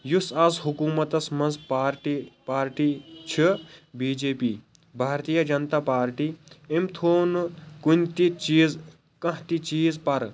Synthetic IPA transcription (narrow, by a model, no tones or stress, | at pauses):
jusɐzɦukuːmɐt̪ɐsmɐnzpaːɾʈipaːɾʈit͡ʃʰibiːd͡ʒeːpḭː | bʱaːɾt̪ijɐd͡ʒɐnt̪aːpaːɾʈiemt̪ʰoːnkunʲt̪it͡ʃiːz | kɐ̃ɦt̪it͡ʃiːzpɐɾ